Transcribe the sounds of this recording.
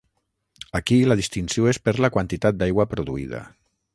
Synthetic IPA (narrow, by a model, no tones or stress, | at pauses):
akilaðist̪insjoespeɾlakwant̪it̪at̪̚d̪ajɣwapɾuðuḭð̞a̰